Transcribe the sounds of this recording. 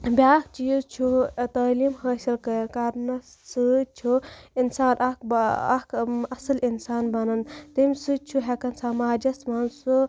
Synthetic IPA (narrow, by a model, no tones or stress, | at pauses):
bʲaːk̚t͡ʃiːzt͡ʃʰut̪ɐːliːmhəːsilkɐjɐnkaɾnɐ | sɨt͡ʃʰuinsaːnʔɐkbɐ̰kʰɐsɐlinsaːnbɐnɐnt̪imʲsɨt͡ʃʰuɦekɐnsaːmaːd͡ʒɐsmɐnsu